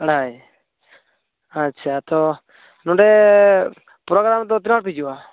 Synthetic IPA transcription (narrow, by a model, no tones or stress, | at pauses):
ɽaj | atːt͡ʃʰat̪ɔ | nɔɖɛ | pɾɔɡɾamt̪̬ɔt̪̬inaɽ̚pid͡ʒuwa